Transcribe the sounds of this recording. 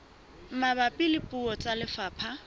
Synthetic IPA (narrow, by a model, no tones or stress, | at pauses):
m̩mabapʼɪlɪpʼuɔt͡sʼalɪfaːpʰa